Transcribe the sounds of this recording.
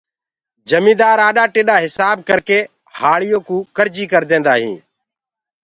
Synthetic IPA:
d͡ʒəmĩːd̪aːɾaːɗaːʈeːɗaːɦɪsaːb̚kəɾkeː | haːɭɪjõːkũːkəɾd͡ʒiːkəɾd̪ẽːnd̪aːɦḭ̃ː

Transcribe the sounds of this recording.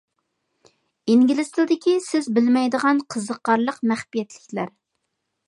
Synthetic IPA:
iŋɡʲilɪst̪ɪld̪ɪkʲisɪzbɪlmɛjd̪əʁɑnqʰəzəqːɑɾlˠəqmæχpijɛt̪lɪkʲlæɾ

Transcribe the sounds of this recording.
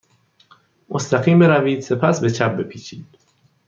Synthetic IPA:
most̪ʰæɣiːmbe̞ɾæviːd̪̥se̞pʰæsbe̞t͡ʃʰæp̚be̞pʰiːt͡ʃʰiːd̪̥

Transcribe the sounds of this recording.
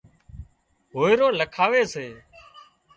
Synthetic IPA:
ɦoːɪɾoːləkʰaːʋeːseː

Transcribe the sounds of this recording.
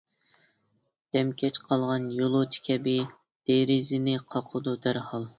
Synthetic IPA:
d̪̥ɛmkʲʰɛt͡ʃqʰɑlˠʁɑnjolˠut͡ʃʰi̥kʲʰɛbɪ | d̪̥eɾɪzɪnɪqʰɑqʰəd̪ud̪æɾhɑlˠ

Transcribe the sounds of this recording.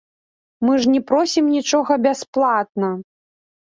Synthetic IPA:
mɨʐnʲɛpɾɔsʲimnʲit͡ʂɔɣɐbʲasplˠat̪̚nɐ

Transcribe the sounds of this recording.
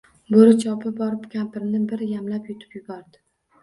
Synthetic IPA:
boɾɪt͡ʃʰɒpʰɪbɒɾɪpkʲʰampɪɾnɪbɪɾjamlapjʊt̪ʰɪ̥pjʊbɒɾd̪ɪ

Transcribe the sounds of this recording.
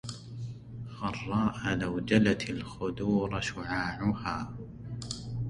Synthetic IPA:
xɑrˤːɑːʔalawd͡ʒalat̪alxʊd̪uːɾˤʃʊʕaːʕʊhaː

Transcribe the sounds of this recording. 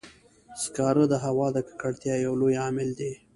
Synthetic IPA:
skɑɾəd̪əɦawɑd̪əkḁkaɽt̪jɑjawlojɑmɪld̪e

